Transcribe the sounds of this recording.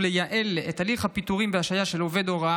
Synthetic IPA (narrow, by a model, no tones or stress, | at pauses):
lejaʔʔe̞let̪aliχhapit̪uʁimbeaʃajaʃelove̞d̪o̞ʁa